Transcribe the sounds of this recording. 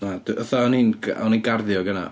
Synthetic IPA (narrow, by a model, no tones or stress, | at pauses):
nad̥uʔɔθaɔninɡɔninɡarðjɔɡəna̰